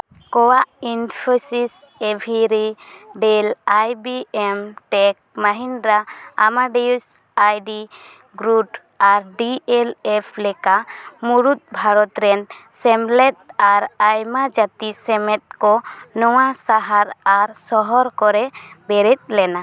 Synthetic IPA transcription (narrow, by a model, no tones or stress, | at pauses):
kɔwaʔinpʰɔsis | ebʱiɾiɖɛlajbiɛmʈɛk̚maɦinɾaamaɖius | ajɖi | ɡɾuʈ | aɾɖiɛlɛpʰlɛkamuɾut̪̚bʱaɾɔt̪ɾɛnsɛmlɛt̪̚aɾajmad͡ʒat̪isɛmɛt̪̚kɔnɔwasaɦaɾaɾsɔɦɔɾkɔɾɛbɛɾɛt̪̚ˀlɛna